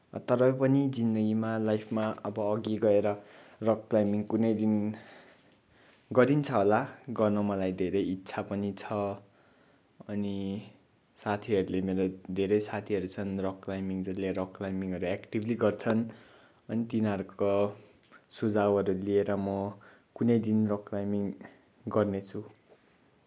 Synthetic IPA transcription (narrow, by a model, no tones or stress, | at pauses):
t̪ʌɾʌpʌnid͡zind̪ʌɡimalajpʰmaʌbʌːɡiɡʌeɾʌroklajmiŋkunʌjd̪in | ɡʌɾint͡sʰʌɦolaɡʌrnʌmʌlajd̪ʱeɾʌjitːsʰapʌnit͡sʰʌ | ʌni | sat̪ʰiʌɾulemeɾod̪ʱeɾʌjsat̪ʰiʌɾut͡sʰʌnrokrajmiŋd͡zʌleɾokrajmiŋɦʌɾuekʈibliɡʌrt͡sʰʌn | ʌnit̪inʌɾuko | sud͡zawʌɾulieɾʌmʌ | kunʌjd̪inrokrajmiŋ | ɡʌrnet͡sʰu